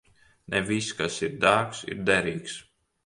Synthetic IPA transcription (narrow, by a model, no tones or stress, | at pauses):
nʔɛviskasiɾd̪aːksḭɾd̪ɛɾiːks